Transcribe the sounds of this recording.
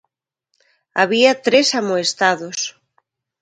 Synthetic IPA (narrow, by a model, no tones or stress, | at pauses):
aβiɐt̪ɾesamoest̪aðos